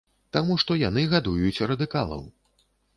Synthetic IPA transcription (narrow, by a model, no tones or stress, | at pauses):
t̪amuʂt̪ɔjanɨɣad̪ujut͡sʲrɐd̪ɨkalˠɐ̰w